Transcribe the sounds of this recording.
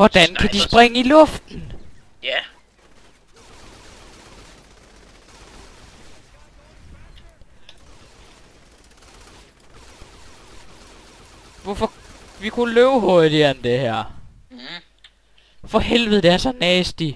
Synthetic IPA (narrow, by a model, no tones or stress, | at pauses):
ʋɒd̥ænkʰæd̥isb̥ʁeŋəilɔ̽fd̥n̩ | ʋɒfɒʋikʰuløːʊɦoɐðid̥ˠɐnd̥e̝hæɐ̰ | fɒ̽hel̰ʋð̩ˠd̥eæɐsɒnɛːsd̥i